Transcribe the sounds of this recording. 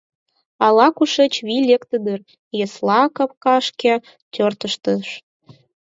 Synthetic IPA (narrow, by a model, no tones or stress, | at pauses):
ɑlɑkuʃet͡ɕβilʲekt̪əd̪ər | jeslɑkəp̚kɑʃkʲe | t̪ʲørt̪əʃt̪əʃ